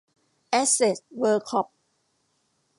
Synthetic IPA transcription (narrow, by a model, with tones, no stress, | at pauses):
ʔɛ˦˥se˨˩s̚wəː˧kʰɔ˦˥p̚